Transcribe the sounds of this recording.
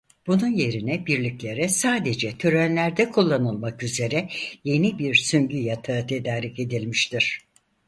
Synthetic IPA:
b̥ununje̞ɾinɛbiɾlʲiclʲe̞ɾɛsaːd̪e̞d͡ʒɛt̪ʰøɾænlʲæɾd̪ɛkʰulˠːanɯlˠmakyze̞ɾɛje̞nibiɾsymɟyjat̪ʰat̪ʰed̪aːɾice̞d̪ilʲmiʃt̪ʰiɾ̥

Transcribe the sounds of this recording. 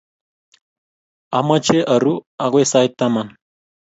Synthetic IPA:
amət͡ʃeʔəɾuaɣwesajt̪aman

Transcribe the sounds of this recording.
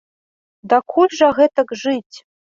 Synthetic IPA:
d̪ɐkʰulʲʐɐɣɛt̪ɐkʐɨtʲ

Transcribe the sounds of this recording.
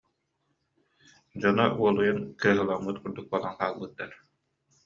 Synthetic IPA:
d͡ʑɔnɔʔuɔlˠujankɯɐɦɯlˠamːɯt̪kuɾd̪uk̚bɔlˠanqaːlˠbɯt̪ːaɾ

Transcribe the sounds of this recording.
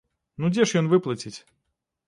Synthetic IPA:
nud͡zʲɛʂjɔnvɨplˠɐt͡sʲit͡sʲ

